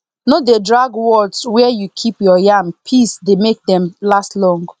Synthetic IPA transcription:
nodedɹaɡwɔdswɛɛjukʰipjɔjãmpʰisdemek̚dɛ̃mlastlɔ̃ŋɡ

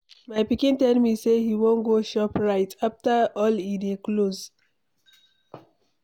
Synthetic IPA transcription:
majpikĩntɛldmisehiwõnɡoʃɔpɹaɪtʰaftaɔlidekloz

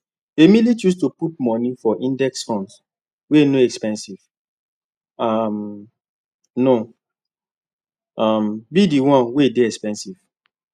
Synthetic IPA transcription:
emilit͡ʃjustuput̚mɔnifɔʔĩndɛksfɔ̃ns | wenoɛkspɛ̃nsiv̥ | am | no | ambidiwɔ̃nwedeɛkspɛ̃nsiv̥

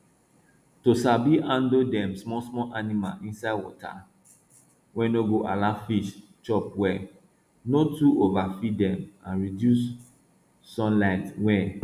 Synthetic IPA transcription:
tosabiʔãndodɛ̃msmɔsmɔlʔanima̰lĩnsaɪdwɔ̰tʰa̰ | wɛ̃noɡoʔa̰lafiʃ | t͡ʃɔpwɛ | notuovafidɛ̃mãnɹidjusː | ɔ̃nlaɪtwɛ

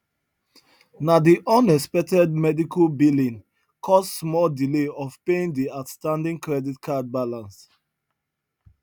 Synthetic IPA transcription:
nadiʔɔ̃nɛspɛk̚tɛd̚mɛdikʰalbilĩŋ | kʰɔstsːmɔldileɔvpeĩŋdiaʊtstãndĩŋkɹɛditkʰad̚balãns

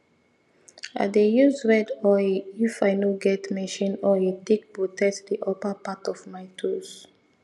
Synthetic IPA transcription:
a̰dejuzɹɛdɔjifaɪnoɡɛtmɛʃĩnɔidik̚butɛsdiʔɔpapatɔvmaɪtʰus

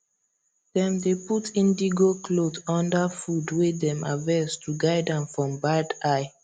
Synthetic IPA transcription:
d̥ɛ̃mdeputʰĩndiɡoklodɔ̃ndafudwedɛ̃mavɛstuɡaɪdãnfɹɔ̃mbadaɪ

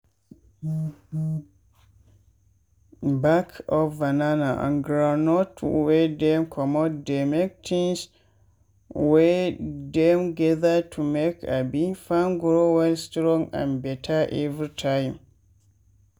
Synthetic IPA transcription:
bakʰɔfːananaʔã̰nɡɹãnɔtwɛdɛ̃mkʰɔmɔt̚demek̚tʰĩŋs | wɛdɛ̃mɡɛðatʰumekʰa̰bifãnɡɾowɛlstɹɔ̃ŋã̰nbɛtʰaʔɛvɹitʰãɪ̃m

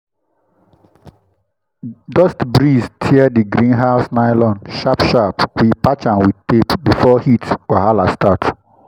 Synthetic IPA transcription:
dɔstbɾiztʰiɛdiɡɾĩnɦaʊsnaɪlɔ̃nʃapʃapwipat͡ʃãnwid̚tepbifɔhitwahalastat

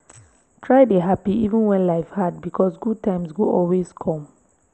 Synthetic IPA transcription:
tʰɹaɪbeɦapiivə̃nwɛ̃nlaɪfhad̚bikʰɔsɡud̚tãɪ̃msɡoʔɔlweskʰɔ̃m

